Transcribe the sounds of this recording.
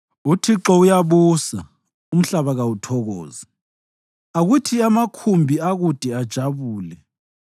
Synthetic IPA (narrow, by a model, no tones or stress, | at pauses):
utʰiǁɔujaβusa | um̩ɬaβaɣawutʰɔɣɔ̰ːzi | aɣutʰiamakʰumbʱiaɣud̥ʱɛad̥ʒ̥ʱaβuːlɛ